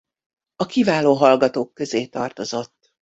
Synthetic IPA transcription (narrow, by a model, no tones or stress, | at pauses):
ɒkivaːloːɦɒlɡɒt̪oːkːø̞zeːt̪ɒrt̪o̞zo̞t̪ː